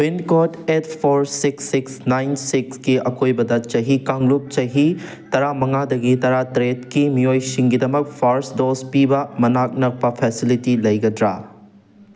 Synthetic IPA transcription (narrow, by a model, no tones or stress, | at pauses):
winkoʈet̪ʰpʰoɾsiksːiksnajnsikskiɐkojbɐd̪ɐt̚t͡ʃɐɦikaŋɡlup̚t͡ʃɐɦi | t̪ɐɾamɐŋad̪ɐɡit̪ɐɾat̪ɾetkimijojsiŋɡid̪ɐmɐk̚pʰaɾsdospibɐmɐnak̚nɐk̚pɐpʰɛsilitilɐjɡɐd̪ɾa̰